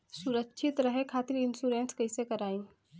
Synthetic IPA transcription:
sʊɾəkːʃʰɪt̪ɾəɦekʰaːt̪iɾɪnsuɾenskɐɪsekɐɾaːĩː

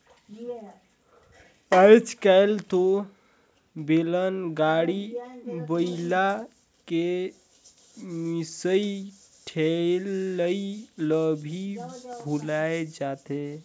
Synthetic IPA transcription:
əjt͡ʃkalt̪o | belənɡaɽibəila | ke | misəi | ʈʰelːəiləbʱibʱulaed͡ʒat̪e

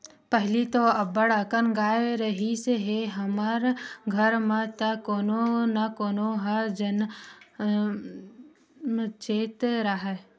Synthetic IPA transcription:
pəɦlit̪oɐbəɽakənɡaːeɾɐɦiseɦeɦɐmaɾɡʱəɾmãt̪akoːnonakoːnoɦad͡ʒən | mt͡ʃeːt̪ɾaɦa

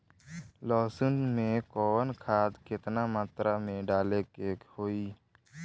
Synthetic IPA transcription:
lɔːsʊnmẽkɔːwənkʰaːd̪kɪt̪namaːt̪ɾamẽɖaːlekeːkhoːiː

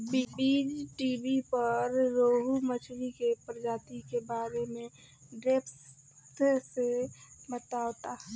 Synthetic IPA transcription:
bibid͡ʒʈiːbipəɾːoɦumət͡ʃʰwikepɾəd͡ʒaːt̪ikebaːɾemẽ | ɖeːps | t̪sebət̪aːwt̪a

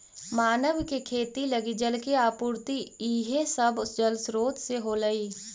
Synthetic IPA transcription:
maːnəʋkekʰeːt̪iləɡid͡ʒəlkeaːpuːɾt̪iiːɦẽsəbd͡ʒəlsɾoːt̪seɦoːləiː

